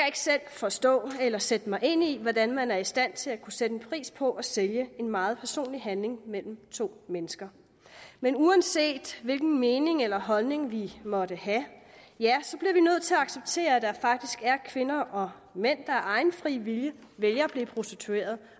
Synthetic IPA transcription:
æe̝ɡ̥ə̥sel̰fɒ̽sd̥ɔ̰̽ːelɐsed̥əmɑ̈ɪe̝n̰iʋɒd̥ænmænæɐisd̥æn̰t͡sʰe̝lækʰused̥əepʰʁḭːspʰɒ̽ʔæseljəe̝nmɑ̈ːð̞̩ˠpʰæɐso̝̰ːnliɦænle̝ŋmel̰m̩t͡sʰo̝̰ːmenəsɡ̥ɐ | menuænse̝̰ːd̥ʋe̝lɡ̥n̩me̝ːne̝ŋelɐɦɒ̽lne̝ŋʋimɒ̽d̥əhæ | jæsɒ̽b̥liɐʋinøð̞̰ˠt͡sʰe̝læɑ̈ɡ̥seb̥̚t͡sʰe̝̰ːɐd̥ɑfɑ̈ɡ̥̚d̥isɡ̥æɐkʰʋe̝nɐʔɒ̽ | men̰d̥ɑ̈æɐɑ̈ɪnfʁḭːʋiljə | ʋeljɐb̥liːpʰʁo̝sd̥it͡sʰue̝̰ːɐð̞ˠ

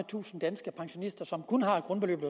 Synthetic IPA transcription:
ət͡sʰṵːsn̩d̥ænsɡ̥əpʰɑ̈ŋɕo̝nisd̥ɐsɒ̽mkʰɔnɦɑ̈e̥ɡ̥ʁɔnb̥elø̰ːb̥ð̩ˠ

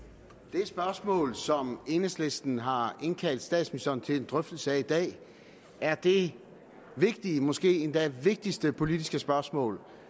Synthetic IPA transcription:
d̥e̝sb̥ɶɐsmɔ̰̽ːlsɒ̽me̝nesle̝sd̥n̩ɦɑ̈e̝nkʰæl̰d̥sd̥ɛ̰ːdsmisønt͡sʰe̝le̝nd̥ʁœfd̥l̩səæid̥ɛ̰ː | æɐd̥e̝ | ʋe̝ɡ̥̚d̥imɒ̽sɡ̥e̝̰ːend̥æʋe̝ɡ̥̚d̥isd̥əpʰo̝lid̥isɡ̥əsb̥ɶɐsmɔ̰̽ːl

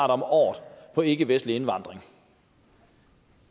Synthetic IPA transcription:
ɾ̥ɒ̽mɒ̰ːd̥pʰɒ̽e̝ɡ̥əʋesd̥lie̝nʋɑ̈nd̥ʁeŋ

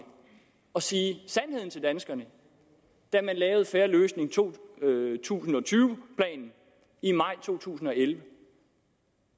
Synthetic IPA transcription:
ɒ̽siːsænhe̝ð̰ˠn̩t͡sʰe̝ld̥ænsɡ̥ɐnə | d̥æɐmænlɛːʊð̞̩ˠfeɐløːsne̝ŋt͡sʰo̝̰ːt͡sʰṵːsn̩ɒ̽t͡sʰyːʊpʰlɛ̰ːnn̩ | imɑ̈ɪ̰t͡sʰo̝̰ːt͡sʰṵːsn̩ɒ̽elʋə

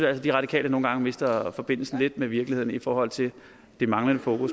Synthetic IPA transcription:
ælsəd̥iʁɑ̈ɾ̥ikʰɛ̰ːləno̝ːn̩ɡ̥ɑ̈ŋəme̝sd̥ɐfɒ̽b̥e̝n̰l̩sn̩le̝d̥meʋiɐɡ̥lihe̝ð̞̰ˠn̩ifɒːhɒ̽l̰t͡sʰe̝l | d̥e̝mɑ̈ŋlənəfo̝ːkʰus

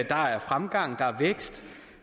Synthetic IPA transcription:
d̥ɑ̈æɐfʁamɡ̥ɑ̈ŋ̰d̥ɑ̈æɐʋeɡ̥sd̥

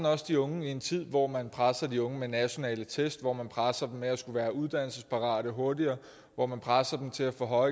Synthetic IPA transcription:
n̩ɒ̽sd̥iɔ̽ŋəie̝nt͡sʰið̞̰ˠʋɒmænpʰʁasɐd̥iɔ̽ŋəmenæɕo̝nɛ̰ːlət͡sʰesd̥ʋɒ̰mænpʰʁasɐd̥emmeæsɡ̥uʋæːɐuð̞ˠd̥æn̰l̩səspʰɑ̈ʁɑ̰̈ːɾ̥əɦo̝ɐdiɐː | ʋɒ̰mænpʰʁasɐd̥emt͡sʰe̝læfɔ̽ɦɒ̽ɪ

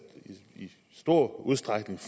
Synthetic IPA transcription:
i | sd̥o̝ɐ̰uð̞ˠsd̥ʁaɡ̥ne̝ŋf

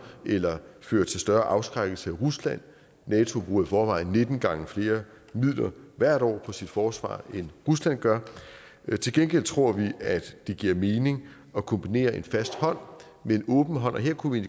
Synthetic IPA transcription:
ʔelɐføːɐt͡sʰe̝lsd̥ɶɐʔɑ̈ʊsɡ̥ʁaɡ̥l̩səæʁuslæn̰ː | ɛːt͡sʰo̝b̥ʁṵːɐifɒːʋɑ̈ɪ̰nːe̝d̥n̩ɡ̥ɑ̈ŋəfle̝ːɐ | mið̰ˠlɐʋæɐ̰ɾɒ̰ːpʰɒ̽sid̥fɒːsʋɑ̰̈ːenʁuslæn̰ɡ̥ɶɐ | t͡sʰe̝lɡ̥enɡ̥el̰t͡sʰʁo̝ɐ̰ʋiæd̥ːe̝ɡ̥iɐme̝ːne̝ŋ | ɒ̽kʰɒ̽mb̥ine̝̰ːɐʔe̝nfæsd̥hɒ̽n̰ | meenɔ̽ːb̥n̩ɦɒ̽n̰ʔɒ̽ɦe̝ɐ̰kʰuʋien

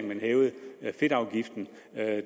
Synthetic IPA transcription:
mænhɛːʊð̩ˠfe̝d̥ɑ̈ʊɡ̥ifd̥n̩

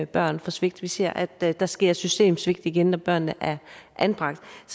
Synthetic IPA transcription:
b̥ɶɐ̰nfɒ̽sʋe̝ɡ̥̚d̥ʋise̝ɐ̰ʔæd̥d̥ɑ̈sɡ̥e̝ɐ̰sysd̥e̝̰ːmsʋe̝ɡ̥d̥iɡ̥ennɒb̥ɶɐ̰nːəʔæɐʔænb̥ʁɑ̈ɡ̥̚d̥s

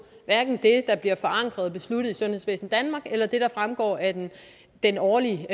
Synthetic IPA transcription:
ʋæɐɡ̥n̩d̥e̝d̥ɑ̈b̥liɐfɒ̽ɑ̈ŋ̰ɡ̥ʁɐð̞ˠb̥e̝sluɾ̥ð̩ˠisɔ̽nhe̝sʋḛːsn̩d̥ænmɑ̈ːɡ̥elɐd̥e̝ɾ̥ɑ̈fʁamɡ̥ɒ̰ːæɐden | d̥enɒːliə

